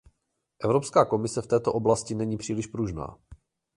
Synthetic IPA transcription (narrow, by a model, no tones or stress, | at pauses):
ʔɛvɾo̞pskaːko̞mɪsɛft̪ɛːt̪oʔo̞blascɪnɛɲiːpr̥iːlɪʃpɾuʒna̰ː